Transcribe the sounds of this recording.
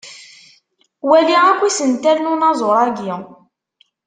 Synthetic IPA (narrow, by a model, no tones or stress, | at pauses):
wæliʁækʷːisənt̪ælnʊnɑzˤoɾˤɑɡi